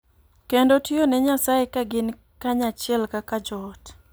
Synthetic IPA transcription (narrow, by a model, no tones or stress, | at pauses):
kendotionɛɲasajekaɡɪn | kaɲat͡ʃɪɛlkakad͡ʒɔt